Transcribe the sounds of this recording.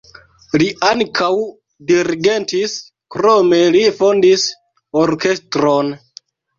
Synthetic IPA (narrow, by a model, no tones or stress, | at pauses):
liʔaŋkʰaw | diɾiɡe̞ntis | kɾome̞lifondis | oɾke̞stɾon